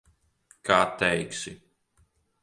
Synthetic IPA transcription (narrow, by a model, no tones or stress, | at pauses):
kʰaːt̪ɛjksʲi